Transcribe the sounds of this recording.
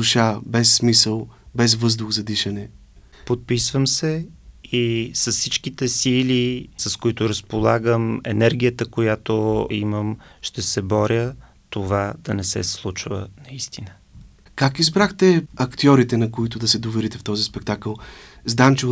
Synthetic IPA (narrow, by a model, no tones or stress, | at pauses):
uʃabɛsːmisəlˠbɛzvɤzd̪ʊxzɐd̪iʃɐnɛ | pot̪̚pisvəmsɛisəssit͡ʃkit̪ɛsilisəskoit̪ʊɾəspolˠaɡəmɛ̰nɛɾɡʲijət̪əkojat̪oiməmʃt̪ɛsɛbɔɾʲjə | t̪ovad̪̥ɐnɛsɛ̰slˠut͡ʃvə̰nɐist̪inə | kakizbɾaxt̪ɛɐkt̪iɔɾit̪ɛnɐkoit̪ʊd̪ɐsɛd̪ovɛɾit̪ɛft̪ɔzispɛk̚t̪akəlˠzd̪amt͡ʃɛ